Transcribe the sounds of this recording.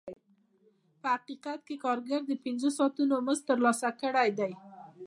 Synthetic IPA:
pəhaqiqat̪̚kekɑɾɡaɾd̪əpɪnzosɑt̪unoməzt̪əɾlɑsakəɽajd̪aj

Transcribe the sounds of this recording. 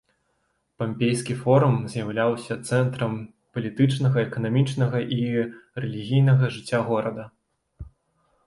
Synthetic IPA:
pɐmʲpʲejskʲifɔɾumzʲjɐwlʲawsʲɐt̪sɛnt̪ɾɐm | pɐlʲit̪ɨt͡ʂnɐɣɐɛkɐnamʲit͡ʂnɐɣɐʔirɛlʲiɣʲijnɐɣɐʐɨt͡sʲːaɣɔɾɐd̪ɐ

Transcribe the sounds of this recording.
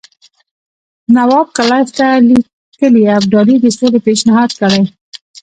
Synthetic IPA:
nawɑb̚kalɑjft̪ali | kəliab̚ɖɑlid̪əsolepeʃnɪhɑd̪kəɽaj

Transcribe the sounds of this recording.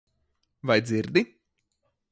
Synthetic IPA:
vajd̪ziɾd̪i

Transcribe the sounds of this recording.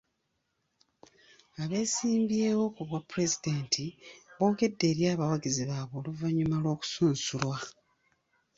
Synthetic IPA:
aβe̞ːsiːmbje̞ːβo̞kuβwapuɾe̞zideːntʰiβo̞ːke̞dːe̞ːɾjaːβawaɡiziβaβo̞ːluvaɲːumalwo̞ːku̥suːnsulwa

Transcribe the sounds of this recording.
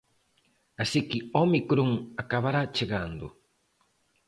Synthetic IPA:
asikiomikuɾuŋakaβaɾat͡ʃeɡand̪ṵ

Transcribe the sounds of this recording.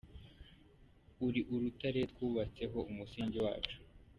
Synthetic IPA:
uɾiʔuɾutaɾe̞twuːβat͡se̞ɦo̞ʔumusiːɲɟiwa̰ːt͡ʃu̥

